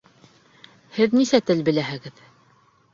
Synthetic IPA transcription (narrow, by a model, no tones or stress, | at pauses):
hɘðnisæt̪ɘlbɘ̆læɦɘ̆ɡɘð